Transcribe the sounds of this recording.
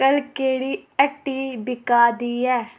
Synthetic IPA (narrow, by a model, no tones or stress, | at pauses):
kəlkeːɽiːəʈːiːbɪkaːd̪iːɛː